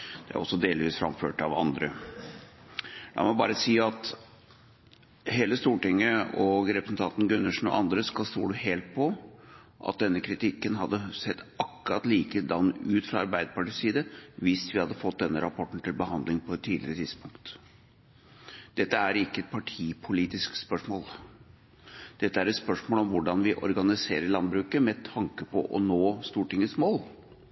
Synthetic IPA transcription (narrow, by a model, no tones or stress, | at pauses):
d̪̥ɛæ̰ɾɔsːɔd̪eːlʋiːsfɾɑ̰mføːʈɑ̰ʋɑ̰nd̪ɾə | d̪ɑ̰mɔbɑ̰ːɾəsiːɑt̪ | heːləst̪uːʈɪŋːəɔɡɾɛpɾəsnt̪ʰɑnt̪n̩ɡʉnːəʂɳ̩ɔ̰ʔɑnd̪ɾəskɑlst̪ṵːɖʉheːlt̪̚pʰɔ | ʔɑ̰t̪̚d̪ɛnːəkʰɾɪt̪ʰɪkːənɦɑd̪ːəsɛt̪ːʔɑkːɾɑt̪liːkəd̪ɑnːʉːt̪fɾɑɑɾbæɪd̪əpɑʈiːsiːd̪əʋɪsʋɪhɑd̪ːəfɔt̪̚d̪ɛnːəɾɑpʰɔʈːɳ̩t̪ʰɪlbəɦɑnd̪lɪŋpʰɔɛt̪ʰːiːd̪lɪɾət̪ʰɪd̪spʊŋkt̪ | d̪̥ɛt̪ːəæɾɪkːəɛt̪̚pʰɑʈʰiːpʰʊliːt̪ɪskspœʂmoːl | d̪̥ɛt̪ːəæɾɛt̪spœʂmoːlɔmʋʊɖɑnʋɪʔɔ̰ɾɡɑnɪsḛːɾəɭɑnbɾʉːkəmɛt̪ʰɑŋkəpʰɔʔɔnoːst̪uːʈɪŋːəsmoːl